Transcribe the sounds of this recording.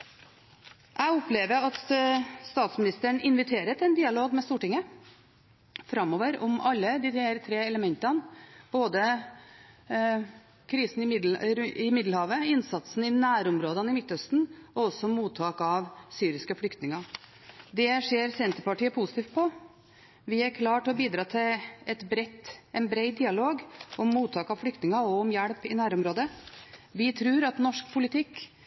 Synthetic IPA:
ʔæɪɔpleːʋəɾɑt̪st̪ɑːt̪smɪnɪst̪əɳɪnʋɪt̪ʰeːɾət̪ɛnd̪ɪːɑloːɡmɛst̪uːʈɪŋːə | fɾɑmɔːʋəɾʊmʔɑlːəd̪iːheːɾt̪ʰɾeːɛləmɛnt̪ɑnb̥oːd̪ə | kʰɾiːsn̩ɪmɪɾɪmɪd̪l̩hɑːʋəɪnsɑt̪sn̩ɪnæːɾʊmɾoːd̪ənɪmɪt̪ːœst̪n̩ɔɔsːɔmuːt̪ʰːɑːkɑʋsyːɾɪskəfɽʏkt̪nɪŋɑ | d̪ɛʂeːɾsɛnt̪əɾpɑʈiːəpʰusɪt̪iːft̪̚pʰɔ | ʋɪæɾkʰlɑːʈɔbiːd̪ɾɑːt̪ʰɪlɛt̪bɾɛt̪ːɛɪnbɾɛɪd̪iːɑloːɡɔmːuːt̪ʰːɑːkɑʋfɽʏkt̪nɪŋɑɔʊmjæɽpɪnæːɾʊmɾoːd̪əʋɪt̪ʰɾʉːɾɑt̪nɔʂk̚pʰʊlɪt̪ʰɪkː

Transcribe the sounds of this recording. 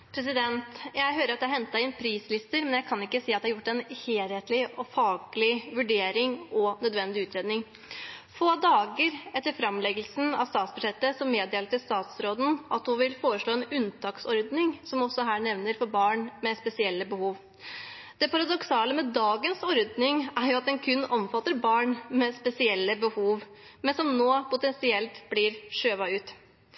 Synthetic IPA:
pʰɾɛs̬ɪd̪ɛnt̪jæɪɦøːɾəɾɑt̪̚ɛæhɛnt̪ɑɪnpʰɾiːslɪst̪əɾmɛnjæɪkʰɑnɪkːəsiːɑt̪d̪ɛhɑɾjʊʈːɛnheːlheːt̪lɪɔfɑːɡlɪʋʉɖeːɾɪŋɔnœd̪ʋɛnd̪ɪʉːt̪ɾeːd̪nɪŋ | foːd̪ɑːɡəɾɛt̪ːəɾfɾɑmlɛɡəlsn̩ɑ̰ʋst̪ɑːt̪sbʉd̪ʂɛt̪ːəsɔmːeːd̪eːləʈ̪ɪst̪ɑːt̪sɾoːd̪n̩ʔɑt̪hʊʋɪlfoːɾəʂɭoːɛnʉnt̪ʰɑːksɔɾd̪nɪŋsɔmɔsɔɦæːɳɛʋnəɾfɔɾbɑːɳmɛspɛsɪɛlːəbəhuːʋ | d̪̥ɛpɑɾɑd̪ɔksɑːləmɛd̪ɑːɡənsɔɾd̪nɪŋæɾjʊɑt̪ɛnkʰʉnːɔmfɑt̪ːəɾbɑːɳmɛspɛsɪɛlːəbəhuːʋ | mɛnsɔmnoːpʊt̪ɛnsɪɛlt̪bliːɾʂøːʋɑʉːt̪

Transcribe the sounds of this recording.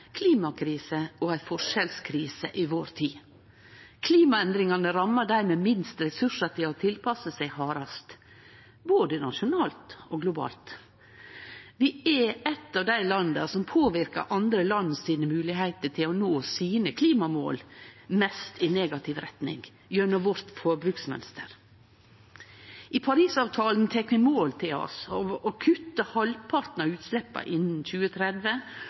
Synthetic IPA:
kʰliːmɑkʰɾiːsəɔæɪfɔʂɛlskʰɾiːsəʔɪʋoːɾt̪ʰiː | kʰliːmɑɛnd̪ɾɪŋɑnəɾɑmːəɖæɾmeːmɪnst̪ɾɛsʉʂət̪ɪlɔt̪ʰɪlpʰɑsəsæɪhɑːɾɑst̪ | boːd̪ənɑʂʊnɑːlt̪oɡlʊbɑ̰ːlt̪ | ʋɪɛɛt̪ːɑːʋd̪æɪlɑnd̪ə̰sɔmpʰoːʋɪɾkə̰ɾʔɑnd̪ɾəlɑnːəsiːnəmʉːlɪɦæɪt̪əʈʰɪlɔnoːsiːnəkʰliːmɑmo̰ːlmɛst̪ʰɪneːɡɑt̪ʰɪʋɾɛt̪nɪ̰ŋ | jøːnɔʋɔɾt̪foːbɾʉːksmɛ̰nst̪ə̰ɾ | ʔɪpʰɑɾiːsɑːʋt̪ʰɑːln̩t̪ʰɛkːʋɪmoːlt̪ʰɪlɔ̰sɔɔkʰʉt̪ːəhɑlpʰɑɾt̪nɑʉːt̪slɛpːɑ̰ʔɪnn̩c͡çʉːət̪ʰɾɛd̪ʋə

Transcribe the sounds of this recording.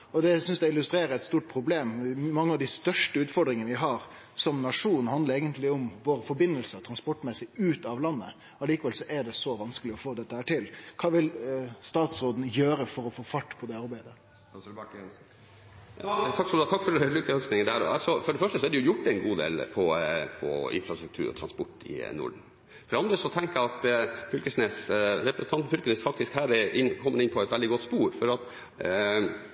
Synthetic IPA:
ɔd̪ɛsʏnsd̪ɛɪlʉst̪ɾeːɾəæɪt̪st̪uːʈ̚pʰɾʊbleːmmɑŋːəɑʋd̪ɪst̪œʂʈəʉːt̪fɔɾɖ̪ɾɪŋənəʋɪɦɑɾ | sɔmnɑʂuːnhɑnd̪əɾeːɡənt̪lɪʊmʋoːɾəfɔɾbɪnːəlsəɾt̪ʰɾɑnspɔʈːmɛsːɪʉːt̪ɑʋlɑnːə̰ | ɑliːkəʋɛlsɔʔɛɖɛsɔʋɑnskəlɪɔfoːd̪ɛt̪ːəhæːʈɪlkʰɑːʋɪlst̪ɑːt̪sɾoːd̪n̩jøːɾəfɔɾɔfoːfɑʈːpʰɔd̪ɛɑɾbæɪd̪ə | jɑːt̪ʰɑksɔmd̪ɑːt̪ʰɑkːfɔɾlykːəhœsknɪŋəd̪æːɾɔ̰ɑ̰lsɔfɔɖɛfœʂʈəsɔæɖɛjʊjʊʈ̚ːd̪ɛɪnɡuːd̪ḛːlpʰɔfʰɔ̰ɪ̰nfɾɑst̪ɾʉk̚t̪ʰʉ̰ːɾɔ̰t̪ʰɾɑnspɔʈːɪ̰nʊ̰ːɖɳ̩ | fɔɖɛɑnd̪ɾəsɔt̪ʰɛŋkəɾɑt̪fʰʏlkəʂneːsɾɛpɾsn̩ɑnt̪fʏlkənesfɑk̚t̪ɪskhæːɾɛʔɪnkʰɔmːənɪnpʰɔɛt̪ʋɛld̪ɪɡɔt̪spuːɾfɔɾɑt̪

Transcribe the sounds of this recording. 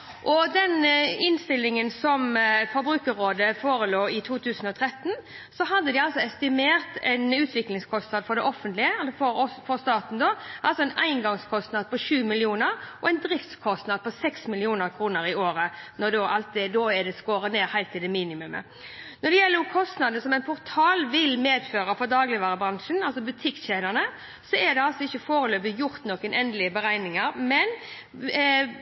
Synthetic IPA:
ʔɔd̪ɛnɪnst̪ɪlːɪŋənsɔmfɔɾbɾʉːkəʁoːd̪əfoːɾəloːɪt̪ʰuːt̪ʰʉːsən̩ɔt̪ʰɾɛt̪ːn | sɔɦɑd̪ːəd̪ɪɑlsɔɛst̪ɪmeːɾt̪ɛ̰ɪnʉːt̪ʰʋɪklɪŋskʰɔst̪nɑd̪fɔɾd̪ɛʔɔfənt̪lɪəɑlfɔɾɔfɔʁst̪ɑːt̪n̩d̪ɔːʔɑlsɔɛnæ̰ɪnɡɑŋskʰɔst̪nɑd̪̚pɔʃʉːmɪlɪuːnəɾʔɔɛɪnd̪ɾɪft̪skʰɔst̪nɑd̪əpɔsɛksmɪlɪuːnəɾkʰɾuːnəɾɪoːɾənɔd̪oːʔɑlt̪̚ɛd̪oːɛd̪ɛskoːɾəneːɾhæɪlt̪ʰːɪd̪ɛmiːnɪmʉmə̰ | nɔd̪ɛjɛlːəkʰɔst̪nɑd̪nəsɔmɛɪnpʰʊʁt̪ʰɑːlʋɪlmeːd̪føːɾəfɔd̪ɑːɡlɪʋæːɾəbɾɑŋʂənɑlsɔbʉt̪ʰɪkːɕeːd̪əʁnə | sɔɛd̪ɛɑlsɔɪçːəfoːɾəløːbɪjʊɾt̪nɔkːənʔɛnd̪əlɪəbəɾæɪnɪŋəɾmɛn

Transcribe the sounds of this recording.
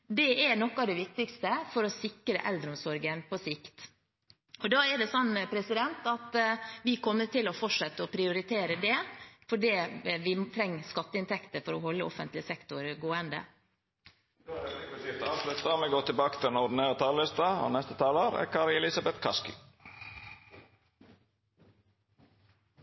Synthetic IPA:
d̪ɛʔænɔkːɑʋd̪ɛʋɪk̚t̪ɪkst̪əfɔɾɔsɪkɾəʔɛld̪ɾəʊmsɔɾɡənpʰɔsɪkt̪ | ɔd̪ɑːɛɖɛsɔnːpʰɾɛsɪd̪ɛnt̪ɑt̪ʋɪkʰɔmːəʈɪlɔfɔʈʂɛt̪ːəɔpʰɾɪʊɾɪt̪ʰeːɾəd̪ɛfɔɖiːʋɪt̪ʰɾɛŋːskɑt̪ːəɪnt̪ʰɛkt̪əɾfɔɾɔhɔlːəɔfənt̪lɪsɛkt̪ʊɾɡoːənd̪ə̰ | d̪oːɾɛɛpɔsɪft̪əɑːʋslʉt̪ːɑmɛɡoːt̪ɪlbɑːkət̪ʰɪlɛnɔɖ̪n̩eːɾət̪ʰɑːlːɪst̪ɑo̰nɛst̪ət̪ʰɑːloɾæ̰kʰɑːɾɪɛlɪsɑbɛt̪kʰɑskʏ̰

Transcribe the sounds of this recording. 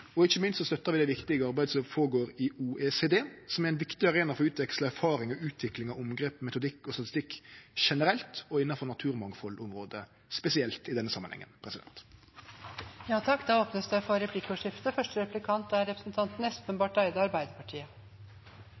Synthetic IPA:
ɔɪçəmɪnst̪sɔst̪œt̪ːɑɾʁʋɪd̪æɪʋɪkt̪ɪɡəɑɾbæɪd̪sɔmfoːɾəɡoːɾɪuːʔeːseːd̪eːsɔmæɾæɪnʋɪkt̪ɪɑʁeːnɑfɔɾʉːt̪ʋɛksləæɾfɑːɾɪŋɔʉːt̪ʰʋɪklɪŋɑʊmɡɾeːpmɛt̪ʊd̪ɪkːɔst̪ɑt̪ɪ̥st̪ɪkːʃɛnəɾɛlt̪ɔɪnːɑfɔɾnɑt̪ʰʉːɾmɑŋfɔlːʊmɾoːd̪ə | spɛsɪɛlt̪ɪd̪ɛnːəsɑmːənhɛ̰ŋːə̰npʰɾɛsɪd̪ɛ̰nt̪ | jɑːt̪ʰɑkːd̪ɑːoːpnəsd̪ɛfɔɾɛpʰlɪkːɔʂɪft̪əfœʂʈəɾɛplɪkʰɑnt̪æɾɛpɾə̥snt̪ʰɑnt̪n̩ɛspənbɑːʈæɪd̪əɑɾbæɪd̪əɾpɑʈʰiːə

